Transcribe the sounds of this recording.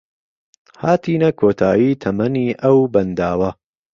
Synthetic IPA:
haːt̪ʰiːnɐkʰoːt̪ʰaːjiːt̪ʰɐmɐniːʔɐwbɐnd̪aːwɐ

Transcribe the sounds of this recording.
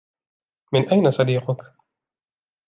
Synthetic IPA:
mɪnʔajnasˤɑd̪iːqʊk

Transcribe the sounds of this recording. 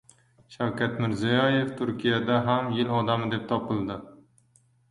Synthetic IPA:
ʃawkʲʰat̪mɪɾzijɒje̞ft̪ʰʊɾkʲʰijad̪aɦamjɪlɒd̪amɪd̪e̞p̚t̪ʰɒpɪlˠd̪ɪ

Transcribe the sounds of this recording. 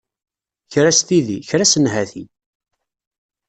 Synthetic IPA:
çɾæst̪iðiçɾæsənɦæθi

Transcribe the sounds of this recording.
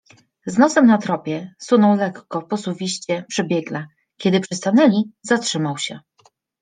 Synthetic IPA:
znɔsɛmnat̪ɾɔpʲjɛsunɔwlɛkːɔpɔsuvʲiɕt͡ɕɛpʂɘbʲjɛɡla | kʲɛd̪ɘpʂɘst̪anɛlʲizatʂɘmawɕɛ

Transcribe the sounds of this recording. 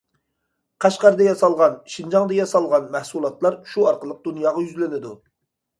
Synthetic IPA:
qʰɑʃqɑɾd̪ɑjɑsɑlˠʁɑnʃind͡ʒɑŋd̪ɑjɑsɑlˠʁɑnmæhsulˠɑt̪lˠɑɾʃuɑɾqəlˠəq̚d̪unjɑːʁɑjyzlɪnɪd̪u

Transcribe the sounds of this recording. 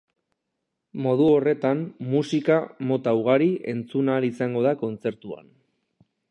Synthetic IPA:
mo̞ð̞uore̞t̪ammusikamo̞t̪auɣ̞aɾiʔe̞nt͡sunalisaŋɡo̞ðako̞nt͡se̞ɾt̪ua̰n

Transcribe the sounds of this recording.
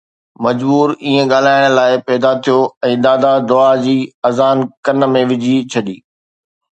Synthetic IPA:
mɐd͡ʑbuːɾiːẽɠaːl̤aːɪɽ̃laːɪpɛːd̪at̪ʰijoɛ̃ːd̪aːd̪ad̪ʊad͡ʑiːɐzaːnkɐnə̆mẽʋɪd͡ʑʱit͡ɕʰɐɗiː

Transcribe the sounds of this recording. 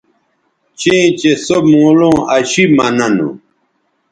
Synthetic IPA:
t͡ɕẽːt͡ɕesomũːlõːɐɕimɐnɐnṵ

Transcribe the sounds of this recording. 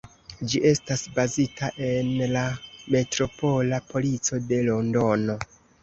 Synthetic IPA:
d͡ʒiʔe̞stasbazitʰaʔe̞nlame̞tɾo̞po̞lapʰo̞lit͡so̞de̞lo̞ndo̞no̞

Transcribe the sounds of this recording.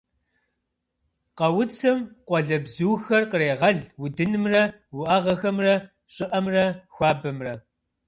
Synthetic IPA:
qɐwʊt͡sʰɐmqʷɔɮɐbzuːxɐrqəreːʁɐɮwʊdɨnɨmrɐ | wʊʔaːʁɐxɐmrɐ | ɕʼɪʔɐmrɐxʷɑːbɐmrɐ

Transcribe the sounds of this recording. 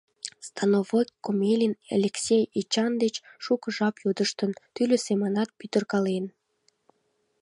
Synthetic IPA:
st̪ɑnovokkːomelʲinḛlʲeksʲejit͡ɕɑnd̪et͡ɕʃukəʒɑpjod̪əʃt̪ənt̪ylʲøsemənɑt̪̚pyt̪ərkɑlen

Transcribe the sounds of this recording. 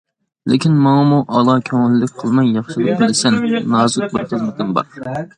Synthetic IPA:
lɪkʲinmɑŋmuʔɑlˠɑkʲʰøŋɪlːɪkʲqʰəlˠmɑjjɑχʃɨd̪ɨnbɪlɪsɛnːɑːzʊk̪̚bɨɾχəzmɪt̪ʰɪmbɑ̰ɾ

